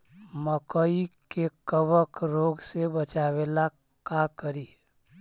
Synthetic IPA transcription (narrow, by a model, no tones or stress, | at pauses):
məkəikekəbəkɾoɡsebət͡ʃabela | kakəɾi